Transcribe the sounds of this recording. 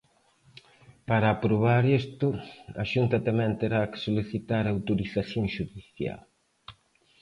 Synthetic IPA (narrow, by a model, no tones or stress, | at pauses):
paɾɐːpɾoβ̞aɾest̪ʊɐ̰ʃunt̪ɐt̪amɛ̃nt̪eɾakɪ̥soliθit̪aɾaːwt̪oɾiθaθjõŋʃuðiθja̰l